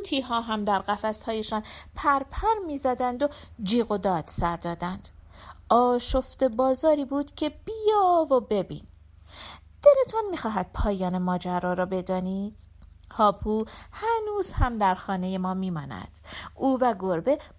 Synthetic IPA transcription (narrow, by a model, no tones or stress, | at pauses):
t̪ʰiːɦɒːɦæmd̪æɾɢæfæshɒːje̞ʃɒːnpʰæɾpʰæɾmiːzæd̪ænd̪o̞ | d͡ʒiːɣo̞d̪ɒːd̪̥sæɾd̪ɒːd̪ænd̪̥ | ʔɒːʃo̞ft̪e̞bɒːzɒːɾiːbuːd̪̥cʰe̞b̥ijɒːvobe̞bḭːn | d̪̥ele̞t̪ʰɒnmiːxɒːɦæd̪̥̚pʰɒːjɒːne̞mɒːd͡ʒæɾɒːɾɒːbe̞d̪ɒːniːd̪̥ | hɒːpʰuhænuːz̥hæmd̪æɾxɒːne̞je̞mɒːmiːmɒːnæ̰d̪̥uːvæɡoɾbe̞